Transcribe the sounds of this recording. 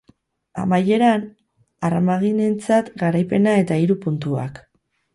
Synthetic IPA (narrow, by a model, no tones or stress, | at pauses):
a̰maje̞ɾan | aramaɣine̞nt͡sat̪ɡaɾajpe̞nae̞t̪aiɾupunt̪ua̰k